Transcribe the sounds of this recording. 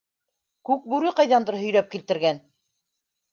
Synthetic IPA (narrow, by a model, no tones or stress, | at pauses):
kʉk̚bʉɾɘqɑjðɑnd̪ɤɾɦɵ̆jlæp̚kilt̪ɘ̆ɾɡæn